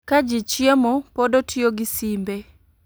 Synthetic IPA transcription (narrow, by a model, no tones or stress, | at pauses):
kad͡ʒɪt͡ʃɪɛmɔpɔdotʰioɡɪsimbe